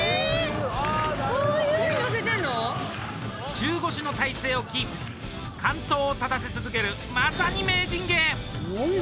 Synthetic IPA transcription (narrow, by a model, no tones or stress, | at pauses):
aɡet̪eno | t͡ɕɨːɡo̞ɕino̞t̪aise̞ːo̞kʲiːpɯ̟ɕi̥ | kʰãnt̪o̞ːt̪at̪aset͡sɨzɨke̞ɾɯ̟ | masaɲ̟ime̞ːʑĩŋɡeːmɯ